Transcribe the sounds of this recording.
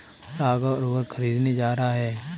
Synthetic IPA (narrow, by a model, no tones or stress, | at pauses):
saːɡaɾʊbəɾkʰəɾiːd̪ned͡ʒaːɾəɦaɦɛː